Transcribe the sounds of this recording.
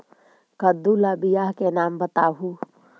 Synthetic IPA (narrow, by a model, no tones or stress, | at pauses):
kɐd̪ulabɪjaːɦkenaːmbɐt̪aːɦu